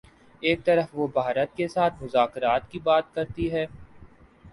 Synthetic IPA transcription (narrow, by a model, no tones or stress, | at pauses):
eːk̚t̪ɐɾəfʋobʱaːɾət̪̚kesaːt̪ʰmʊzaːkɾaːt̪kibaːt̪̚kɐɾt̪iɦɛː